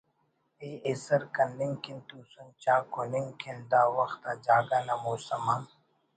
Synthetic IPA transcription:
eːesɐɾkɐnliŋkint̪uːsunt͡ʃaːkoniŋkʰenɖ̪aːwɐxt̪aːd͡ʒaːɡaːnɐmoːsɐmaːn

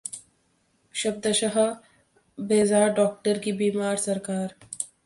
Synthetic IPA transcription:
ʃɐb̚d̪əʃɐɦɐ | beːzaːɾɖɔːk̚ʈəɾkibiːmaːɾsɐɾkaːɾ

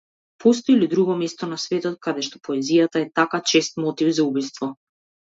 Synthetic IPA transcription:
pɔs̬t̪ɔilid̪ɾuɡɔmɛst̪ɔnasvɛt̪ɔt̪̚kad̪ɛʃt̪ɔ̥pɔɛzijat̪aɛt̪akat͡ʃɛst̪mɔt̪ivzaubist̪vɔ

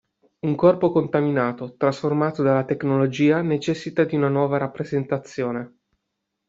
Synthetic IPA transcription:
uŋkɔrpokont̪aminaːt̪ot̪ɾasformaːt̪od̪alːat̪eknolod͡ʒiːanet͡ʃɛsːit̪ad̪iunanwɔːvaɾapːɾezent̪at̪sːjoːne

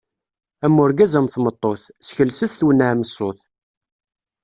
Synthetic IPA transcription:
æmːʊɾɡæzæmθmət̪ˤːoθsçəlsəθθwənːaʕməsːoθ

